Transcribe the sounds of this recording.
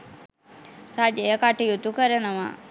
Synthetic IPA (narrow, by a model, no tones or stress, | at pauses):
rad͡ʒəjəkaʈijut̪ukəɾənəʋa̰